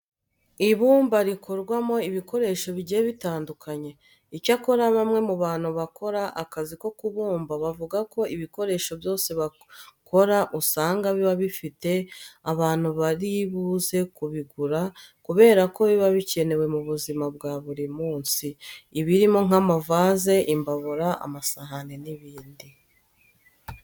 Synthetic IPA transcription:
iβuːmbaɾikʰo̞ɾɡwamo̞iβiko̞ɾe̞ʃo̞βiɟijeβitaːndukʰaɲe̞ | icako̞ɾaβamŋe̞muβaːn̥huβako̞ɾaʔakaziko̞kuβuːmbaβavuɡako̞ʔiβiko̞ɾe̞ːʃo̞bjo̞ːse̞βa | kʰo̞ɾaʔusaːŋɡaβiβaβifite̞aβaːn̥huβaɾiβuze̞kuβiɡuɾakuβe̞ːɾako̞βiβaβice̞ne̞we̞muβuzimabɡaːβuɾimuːnsiːβiɾimo̞ŋ̥amavaːze̞ʔimbaβuɾaʔa̰masaɦaneniβiːndi

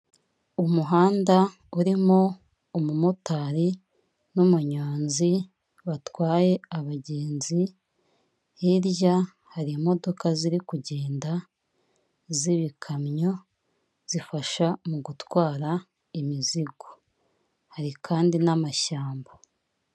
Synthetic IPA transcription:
umuɦaːnda | uɾimo | umumutaɾi | numuɲaːnzi | βatwaːje̞aβaɟe̞ːnzi | hiɾja | haɾiimo̞do̞kaziɾikuɟe̞ːnda | ziβikʰamɲo̞ | z̥ifaʃamuɡutwaːɾa | imiziɡo | haɾikʰaːndinamaʃaːmba

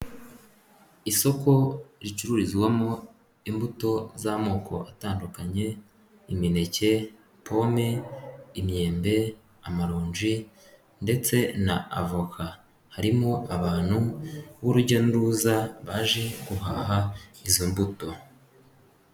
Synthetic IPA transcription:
iso̞ko̞ɾit͡ʃuɾuɾizɡwamo̞ | imbuto̞zamoːkʰo̞̰ʔataːndukaɲe̞ | imine̞ce̞ | pʰo̞meimɲe̞ːmbe̞ | amaɾoːɲʒi | nde̞t͡se̞na̰ːvokʰa | haɾimo̞ʔaβaːn̥huwoɾuɟanuɾuzaβaːʒe̞ɡuɦaːɦaizombuto̞

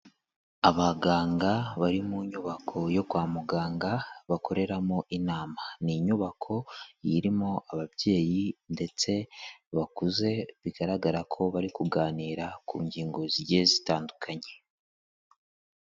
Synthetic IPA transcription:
aβaɡaːŋɡaβaɾimuɲuβakʰo̞jo̞kwaːmuɡaːŋɡaβako̞ɾe̞ɾamoʔinaːmaniɲuβakʰo̞jiɾimo̞aβaβje̞ːjinde̞t͡se̞βakuze̞βiɡ̥aɾaɡaɾakʰo̞βaɾikuɡaːniːɾakuːɲɟiːŋɡo̞ziɾɟezitaːndukʰaɲe̞

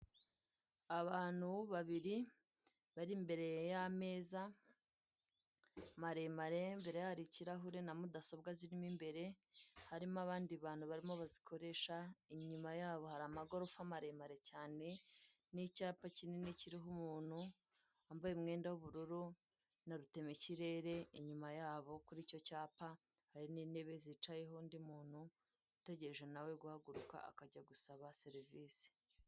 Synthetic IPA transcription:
aβaːn̥huβaβiɾi | βaɾimbe̞ɾe̞jame̞ːza | maɾe̞maɾe̞mbe̞ɾejahaɾiciɾaɦuɾenamudaso̞b̚ɡaziɾimimbe̞ɾe̞haɾimaβaːndiβaːn̥huβaɾimo̞βazikʰo̞ɾe̞ːʃaiɲumajaːβo̞haɾamaɡo̞ɾofamaɾe̞maɾe̞caːne̞ | nicaːpacineniciɾiɦumuːn̥hu | ambajemŋe̞ːndawuβuɾuɾu | naɾute̞meciɾe̞ːɾe̞iɲumajaːβo̞kuɾiːco̞caːpa | haɾiniːne̞βe̞zit͡ʃaje̞ɦondimuːnhu | ute̞ɟe̞ɾeʒenawe̞ɡuhaɡuɾuka̰a̰kaɟaɡusaβase̞ɾiviːsi̥

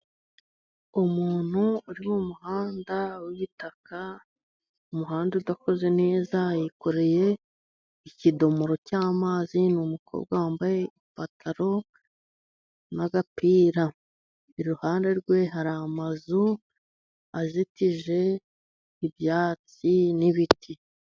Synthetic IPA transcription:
umuːn̥huuɾimumuhaːndawiβitaka | umuɦaːndeudako̞ze̞ne̞ːzajiko̞ɾe̞je̞ | icido̞mo̞ɾo̞caːmaːzinumukʰo̞̰ːb̚ɡwaaːmbaje̞ifatʰaɾo̞ | naɡapiːɾa | iɾiɾuhaːnde̞ɾɡwe̞ɦaɾamazu | azitiʒe̞ | iβjaːt͡siniβitʰi

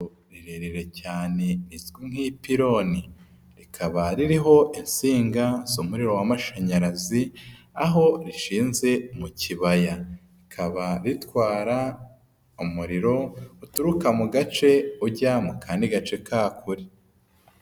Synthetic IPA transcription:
ɾiɾeɾeɾe̞caːne̞nizɡiŋ̥hipiɾo̞ni | ɾikʰaβaɾiɾiɦo̞ʔinsiːŋɡazomuɾiɾo̞wamaʃaɲaɾazi | aɦo̞ɾiʃiːnze̞muciβajaɾikʰaβaɾitwaːɾa | umuɾiɾo̞utuɾukamuɡat͡ʃe̞uɾɟamukʰaːndiɡat͡ʃe̞kʰaːkʰuɾi

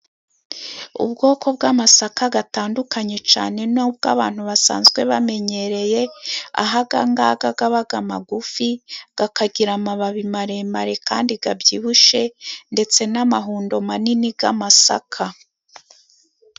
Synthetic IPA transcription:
ṵb̚ɡo̞ːkʰo̞b̚ɡamasakaɡataːndukaɲe̞t͡ʃa̰ːne̞nob̚ɡa̰ːβaːn̥huβasa̰ːnzɡwe̞βame̞ɲe̞ɾe̞je̞a̰ɦaɡaŋɡaːɡaɡaβaɡamaɡufiɡ̥akaɡiɾamaβaβimaɾe̞maɾe̞kaːndiɡabjiːβuʃe̞nde̞t͡se̞namaɦuːndo̞maninibɡa̰masa̰kʰa

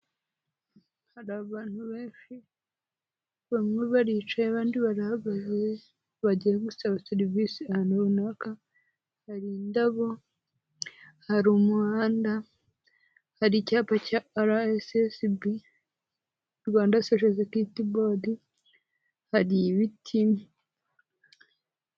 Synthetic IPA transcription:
haɾaβaːn̥huβe̞ːnʃi | βamŋeβaɾit͡ʃajaβaːndiβaɾahaβaze | βaɟieɡusaβaseɾivisiahanuβunaka | haɾindaβo | haɾumuhaːnda | haɾicaːpacaaɾaesesibi | ɾɡaːndaseʃezekitibodi | haɾiβitʰi

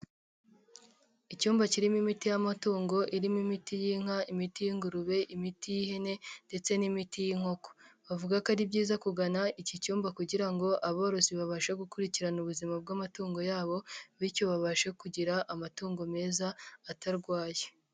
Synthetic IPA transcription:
icuːmbaciɾimimitijamatuːŋɡo̞ʔiɾimimitijiŋ̥aimitijiŋɡuɾuβe̞ʔimitijihe̞ne̞nde̞t͡se̞nimitijiŋo̞ko̥βavuɡakaɾibɟiːzakuɡanaicicuːmbakuɟiɾaŋɡo̞ʔaβoɾo̞siβaβaʃeɡukuɾiciɾanuβuzimab̚ɡamatuːŋɡo̞jaːβo̞βico̞βaβaʃekuɟiɾaʔamatuːŋɡo̞me̞ːzaːtaɾɡwaːje

